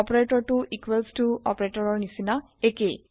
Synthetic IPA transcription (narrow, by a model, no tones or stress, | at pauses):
ɔpɔɹeʈɔɹʈuʔikwelstuɔ̰pɔɹeʈɔɹɔɹnisina | eke